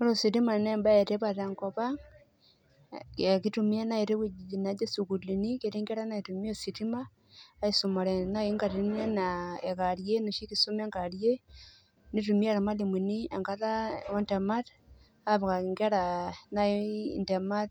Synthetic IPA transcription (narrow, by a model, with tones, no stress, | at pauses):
mo˦ɾo˦si˨ɾi˦ma˨ne˦˨mba˦e˨te˦βa˨te˨ŋko˦βa˦ | e˨ki˦tu˨mi˦e˦na˦i˨ɾi˦ki˦i˨na˨d͡ʒe˦su˨ku˨li˨ni˦ke˨ɾi˦ŋɡe˦ɾa˦na˨i˨tu˨mi˦o˦˨si˨ti˦maː˦ | i˦su˨ma˨ɾe˨na˦i˦ŋɡa˨ɾine˦nae˨ka˨ɾje˦no˨ʃi˦ki˦su˦me˦ŋɡa˨ɾje˦ | ni˦tu˨mi˦a˦ɾa˨ma˦li˨mi˨ni˦e˨ŋka˦ða˦o˦nte˨ma˦t | a˦βa˨ka˨ŋɡe˦ɾa˨na˦inte˨ma˦t